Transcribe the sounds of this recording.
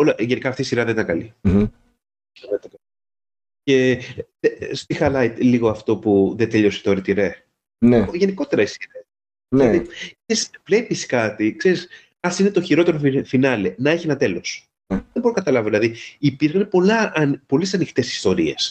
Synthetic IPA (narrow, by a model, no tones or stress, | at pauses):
olɐʝenikɐft̪isiɾɐðenit̪ɐŋkɐli | ðet̪ɐt̪ɐ | ce̞ | est̪ixɐlɐjt̪liɣo̞ɐft̪o̞puðet̪e̞ʎo̞si̥t̪oɾit̪iɾe | neʝeniko̞t̪e̞ɾɐisiɾe | ilɐðikseɾisvle̞piskɐt̪ikseɾis | ɐsine̞t̪o̞çiɾo̞t̪eɾofinɐlenɐe̞çienɐt̪e̞lo̞s | ðebo̞ɾokɐt̪ɐlɐvoðilɐðiipiɾxnepolɐɐnpo̞lis̬ɐnixt̪e̞si̥st̪o̞ɾie̞s